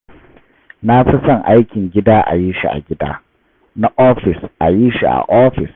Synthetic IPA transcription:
na˦ɸɪ˦sɐ˦˨ŋʔa˦jkʲɪ˨ŋɡʲɪ˦daː˦ʔa̰˨jiː˦ʃi˦ʔa̰˨ɡʲɪ˦da̰ː˦ | na˦ʔoː˦ɸɪ˨sʔa˨jiː˦ʃḭ˨ʔa̰˨ʔoː˦ɸɪ˨s

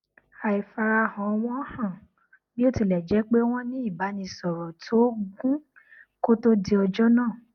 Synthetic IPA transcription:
a˨i˨fa˧ɾa˧hã˨˧w̃ɔ̃˦hã˦˨ | bĩ˦o˦˨ti˧˨lɛ˨d͡ʒɛ˨˦k͡pe˦w̃ɔ̃˦nĩ˦i˦˨ba˨˦nĩ˧sɔ˨ɾɔ˨tʰo˦ɡũ˦ | ko˦to˦di˦ɔ˧d͡ʒɔ˦nãː˦˨

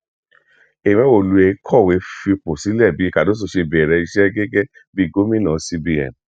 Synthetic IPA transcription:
e˨mɛ̃˦wo˨lu˨e˧˦kʰɔ˦˨we˧fi˧po˨si˨˦lɛ˦˨bi˨˦i˦˧ka˨do˦s̬o˧˨ʃe˧bɛ˨ɾɛ˧i˧ʃɛ˦ɡɛ˦ɡɛ˦ | bi˦˧ɡo˦mĩ˦nã˨˦si˧bi˧ɛ̰˨n˨

